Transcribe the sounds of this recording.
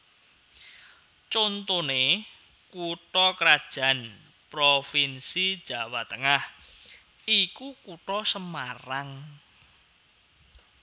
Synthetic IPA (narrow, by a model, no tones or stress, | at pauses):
t͡ʃont̪one | kuʈɔkɾad̥ʒ̥ä̤n | pɾofinsid̥ʒ̥a̤wat̪əŋah | ikukuʈɔsəmaraŋ